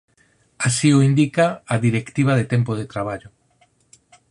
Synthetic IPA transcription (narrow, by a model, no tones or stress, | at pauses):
asioind̪ikaaðiɾekt̪iβ̞aðet̪empoð̞et̪ɾaβ̞aʎo